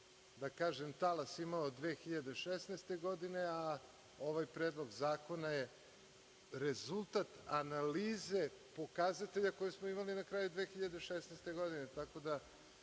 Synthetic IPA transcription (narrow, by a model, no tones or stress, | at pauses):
d̪akaːʒemt̪alasimaod̪ʋeːxiʎad̪eʃesnest̪e̞ɡo̞d̪ine̞a | o̞ʋajpɾeːd̪lˠo̞ɡzaːko̞naje | ɾezulˠt̪at̪analiːze̞po̞kazat̪e̞ʎakojesmoimalinakɾaːjud̪ʋeːxiʎad̪eʃesnest̪e̞ɡo̞d̪inet̪ako̞d̪a